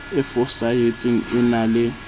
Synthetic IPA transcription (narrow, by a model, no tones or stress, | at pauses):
ɪfʊsajetʼiŋ̩ɪnalɪ